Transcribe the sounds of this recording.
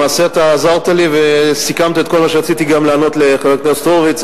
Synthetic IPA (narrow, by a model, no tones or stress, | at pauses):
aːseat̪aːzaʁt̪alivesikamt̪iet̪ko̞lmaʃeʁat͡sit̪iɡamlaːno̞t̪leχeveknest̪oʁvit͡s